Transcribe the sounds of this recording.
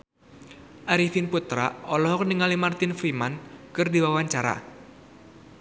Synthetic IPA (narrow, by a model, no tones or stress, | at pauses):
ʔaɾifinput̪ɾa̰ɔlɔhɔkniŋalimart̪ɪnfɾimankɨrdiwawaɲt͡ʃaɾa̰